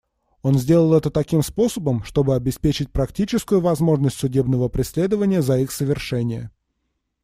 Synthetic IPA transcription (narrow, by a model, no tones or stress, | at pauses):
o̞nzʲdʲe̞lˠəlˠɛt̪ət̪ɐkʲimspo̞səbəmʂt̪o̞bɨɐbʲɪspʲet͡ɕɪt̚ʲpɾɐktʲit͡ɕɪskʊjʊvɐzmo̞ʐnəsʲtʲsʊdʲebnəvəpɾʲɪsʲlʲe̞d̪əvənʲɪjəzɐixsəvʲɪrʂɛnʲɪjə̰